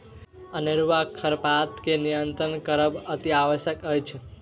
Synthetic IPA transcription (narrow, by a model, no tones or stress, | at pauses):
əniɾʋakʰəɾpat̪kenijənt̪ɾənkəɾəbət̪iaʋəʃjəkəjt͡ʃʰ